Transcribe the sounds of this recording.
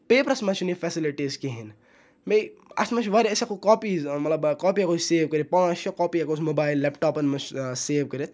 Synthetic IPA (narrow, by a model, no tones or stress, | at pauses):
peːpɾɐsmɐt͡ʃʰunifɛsiliʈiːzkeɦin | mejɐ̰smɐt͡ʃʰʋaɾʲisakokɔːpiːzmɐt̪lɐbkɔːpiakoːsseːʋkəɾipɔ̃ːɐʃɔkɔːpiɐkoːsmobaːilːɛpʈɔːpɐnmɐt͡ʃseːʋkəɾet̪